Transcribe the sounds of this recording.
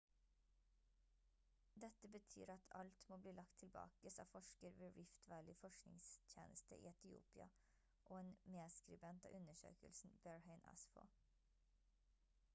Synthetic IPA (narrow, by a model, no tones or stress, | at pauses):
d̪ɛt̪əbət̪ʰy̰ːɾɑt̪ʰɑ̰lt̪moːbliːlɑkt̪ʰɪlbɑ̰ːkəsɑ̰ːfɔʃkəɾʋeːɹɪft̪ʰʋæːɭɪːfɔʃknɪŋst̪ʰjḛːnəst̪əʔḭːɛt̪ɪṵːpɪɑ | ʔoːeːnmeːskɾɪbɛnt̪ɑ̰ːʔʉnəʃø̰ːkə̰lsn̩b̥æɹheɪnɑ̰sfo̰ː